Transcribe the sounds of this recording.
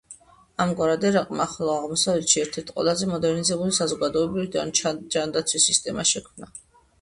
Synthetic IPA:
amɡwaɾad̪ɛɾaqʼmaχlˠɔaʁmɔsavɛt̪ʃiɛɾt̪ʰɛɾt̪ʰqʼwɛ̰lˠazɛmɔd̪ɛɾnizɛbulisazɔɡad̪ɔɛbɾividad͡ʒand̪at̪sʰwisːist̪ʼɛmaʃɛkʰmna

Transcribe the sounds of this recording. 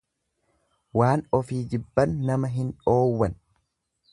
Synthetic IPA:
waːnɔfiːd͡ʒɪbːɐnːɐmɐɦɪnᶑo̞ːwːɐn

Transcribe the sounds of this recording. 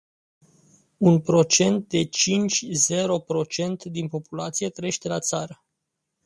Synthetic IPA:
unpɾo̞t͡ʃe̞nt̪̚d̪e̞t͡ʃint͡ʃʲze̞ɾo̞pɾo̞t͡ʃe̞nt̪d̪inpo̞pulat̪sije̞t̪ɾeeʃt̪e̞lat̪saɾə

